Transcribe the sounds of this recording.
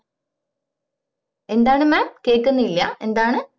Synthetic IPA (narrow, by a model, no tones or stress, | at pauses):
e̞nd̪aːɳɨmaːp̚keːkːunːilːɐ̰e̞nd̪aːɳɨ